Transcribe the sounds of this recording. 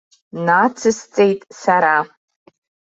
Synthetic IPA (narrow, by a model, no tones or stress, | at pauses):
nat͡sʰɨst͡sʼe̞jtʼsaɾa